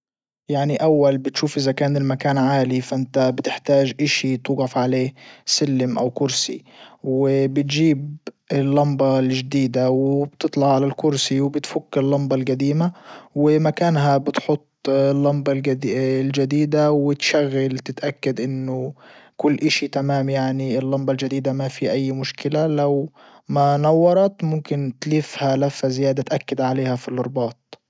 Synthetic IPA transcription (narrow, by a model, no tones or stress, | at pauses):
jaʕniʔawːalbɪt̪ʃuːfʔɪzakaːnɪlmakaːnʕaːlifaʔɪnt̪abt̪ɪħt̪aːʒʔaʃit̪ˤuːɡɑfʕaleːsɪlːɪmʔawkʊɾsḭwɪbɪt̪ʒiːb | ɪlːɑmbɑlʒd̪iːd̪awɪb̥t̪ɨt̪ˤlɑʕːalalkʊɾsiwbɪt̪fʊkːɪlːɑmbɑlɡad̪iːmawɪmakaːnɦabɪt̪ħʊt̪ˤːlːɑmbɑlɡ̪ld͡ʒad̪iːd̪awɪt̪ʃaɣːalt̪ɪt̪ʔakːad̪ʔɪnːʊkʊlːʔɪʃit̪amaːmjaʕniɪlːɑmbɑld͡ʒad̪iːd̪amafiʔajːmʊʃkɪlalaw | manɑwːɑɾˤɑt̪mʊmkɪnt̪liːfhalafhazɪjaːd̪at̪ʔakːɪd̪ʕaleːhafilʔʊɾˤbɑːt̪̚ˤ